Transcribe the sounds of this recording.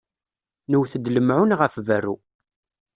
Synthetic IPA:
nəwθəd̪ləmʕʊnʁəfvərːṵ

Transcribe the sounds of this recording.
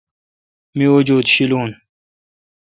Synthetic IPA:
miod͡ʑuːd̪ɕiluːn

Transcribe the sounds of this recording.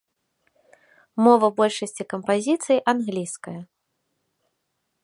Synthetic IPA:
mɔvɐbɔlʲʂɐsʲt͡sʲikɐmpazʲit̪sɨjiʔanɣlʲijskɐjɐ

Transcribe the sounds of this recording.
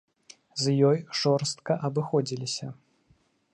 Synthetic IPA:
zjɔjʐɔrst̪kɐʔɐbɨxɔd͡zʲilʲisʲɐ

